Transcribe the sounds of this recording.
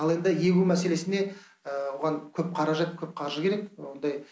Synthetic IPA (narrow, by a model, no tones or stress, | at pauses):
ɑlˠe̞nd̪ɪje̞kʲumæse̞le̞sɪne̞ | wo̞ʁɑŋkʲʰɵp̚qʰɑɾɑʒɑt̪kʲʰɵp̚qʰɑɾʒəkʲʰe̞ɾekwo̞nd̪ɑj